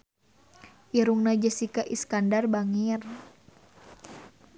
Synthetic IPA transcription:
ʔiɾuŋnad͡ʒəsikaʔiskandarbaŋir

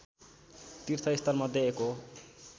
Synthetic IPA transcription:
t̪irt̪ʰʌist̪ʌrmʌd̪ʱjʌeko

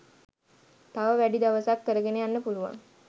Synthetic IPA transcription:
t̪aʋəʋæɖid̪aʋəsakːəɾəɡeneanːəpuluʋa̰ŋ

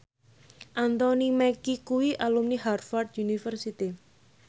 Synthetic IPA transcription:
ʔant̪ɔnimɛkikuwiʔalumniharfard̪unifərsit̪i

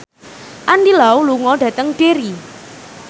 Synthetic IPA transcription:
ʔandilauluŋɔɖ̥ä̤t̪əŋɖ̥eɾi

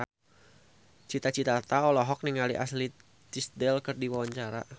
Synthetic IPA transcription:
t͡ʃit̪at͡ʃit̪at̪aɔlɔɦɔk̚niŋaliʔa̰sli | t̪isdɛlkɨrdiwawaɲt͡ʃaɾa̰

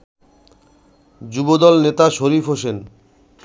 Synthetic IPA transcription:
d͡ʑubod̪ɔlnet̪aʃoɾipʰɦoʃen

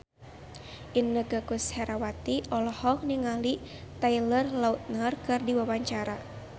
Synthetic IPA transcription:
ʔinːəɡəkushɛɾawat̪iɔlɔhɔk̚niŋali | t̪ailərlaut̪̚nərkɨrdiwawaɲt͡ʃaɾa

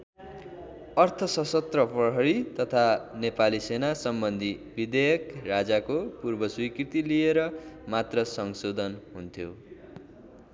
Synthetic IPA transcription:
ʌrt̪ʰʌsʌsʌt̪rʌprʌɦʌɽit̪ʌt̪ʰanepalisenasʌmbʌnd̪ʱibid̪ejʌkrad͡zakopurbʌswikrit̪ilieɾʌmat̪rʌsʌŋsod̪ʱʌnɦunt̪ʰjo

